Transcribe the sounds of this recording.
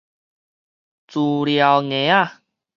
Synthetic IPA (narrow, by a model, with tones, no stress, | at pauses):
t͡su˨˩lja˨wŋẽ˨˦a˥˧˨